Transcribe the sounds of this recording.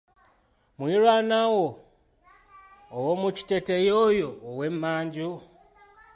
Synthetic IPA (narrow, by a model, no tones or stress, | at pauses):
mwiɾwanawo | womuci̥te̞tejoːjoːwe̞mːaːɲɟu